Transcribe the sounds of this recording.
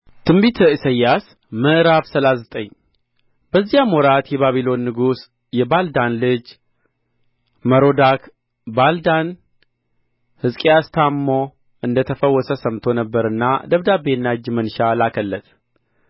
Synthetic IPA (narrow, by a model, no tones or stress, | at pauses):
t̪ʰɨmbit̪ʰəisəjas | məʔɾaβsəlazət̪ʼəɲː | b̥əzːijamɔɾat̪jɛβaβilo̞nːɨɡus | jɛbald̪anlɨd͡ʒ | məɾod̪ak | bald̪an | hɨskʼijast̪ʰamːo | ɨnd̪ət̪ʰəfəwːɔsəsəmt̪ʰo̞nəbːəɾɨnːa̰d̪əβd̪abenːad͡ʒmənʃalakʰəlːət̪ʰ